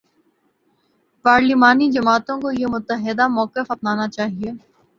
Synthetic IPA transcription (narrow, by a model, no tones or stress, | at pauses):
paːɾlimaːnid͡ʒɐmaːt̪õkojemʊt̪əɦɪd̪amɔːkɪfɐpnaːnat͡ʃaːɦieː